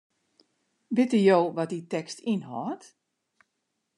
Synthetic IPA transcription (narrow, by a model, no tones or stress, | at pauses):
bɪtəjoːʋɔt̚ditɛkstinhɔːt